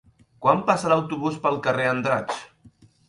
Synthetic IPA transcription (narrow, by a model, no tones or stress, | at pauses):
kwampasələwt̪uβuspəlˠkəreənd̪ɾat͡ʃ